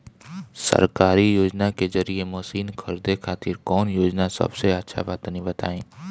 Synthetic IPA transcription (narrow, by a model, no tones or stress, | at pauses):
sɐ̰ɾkaːɾijoːd͡ʒnakezɐɾiemoːsiːnkʰɐɾd̪ekʰaːt̪iɾkɔːnjoːd͡ʒnasɐ̰bseɐtːʃʰa̰baːt̪nĩbɐt̪a̰ːẽː